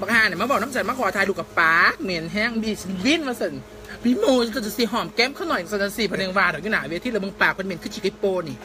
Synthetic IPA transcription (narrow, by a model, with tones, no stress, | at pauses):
ba˧khaː˧˩˨na˨˩maː˧˥˦bɔː˨˩nɔ˧˥˨sa˧˩maː˧˥kʰɔː˨˧t̪ʰaː˧jlu˧ka˨˩paː˨˦k̚mi˨˦nɦɛ˧˥˨ŋbiː˧˩si˧˩wi˧˥˨nmaː˧sə˧˩n | bi˧˦muː˧a˧˩˧si˧˩ɦɔː˧˩mkɛ˧˥˨mkʰaː˧˥˩nɔ˨˩jsa˧˩˨a˧si˧˩pʰa˧˨ne˧ŋwaː˧dɔ˨˩˨juː˧˨naː˨˦wt̪ʰi˧˥lmɯ˧ŋpaː˨˩k̚kʰːm˧˨˦nkʰɯ˧˥˩t͡ɕʰi˧kʰi˦˥pːoː˧ni˨˩